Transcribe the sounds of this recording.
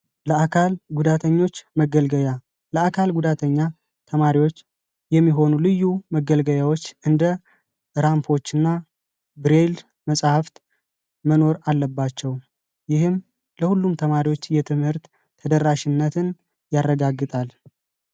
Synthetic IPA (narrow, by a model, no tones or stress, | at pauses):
ləakʰalɡud̪at̪ʰəɲːo̞t͡ʃːməɡəlɡəa | ləakʰalɡud̪at̪ʰəɲːa | t̪ʰəmaɾiwo̞t͡ʃː | jɛmːiɦo̞nulɨjːuməɡəlɡəjawot͡ʃːɨnd̪ə | ɾampʰo̞t͡ʃːɨnːa | bɾe̞l | məsʼhaft̪ | məno̞ɾalːəbːat͡ʃːɛw | jɪhɨm | ləhulːumt̪ʰəmaɾiwo̞t͡ʃːjɛt̪ʰɨmhɨɾt̪ʰː | əd̪əɾːaʃɪnːət̪ʰɨn | jarːəɡaɡːɨt̪ʼal